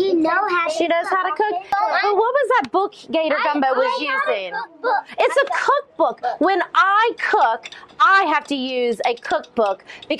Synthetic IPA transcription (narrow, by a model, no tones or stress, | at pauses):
jɨnoʊʃinoʊz̥haʊɾɨkʰʊk̚b̥ʌt̚wʌt̚wʌzðɨt̚b̥ʊkɡ̥eɪɾə˞ɡʌ̃mbɨwʌzjʉzɪ̃ŋɨtsəkʰʊk̚b̥ʊkwɨ̃nʔaɪkʰʊkaɪɦæftɨjʉzɨkʰʊk̚b̥ʊkb̥ɨk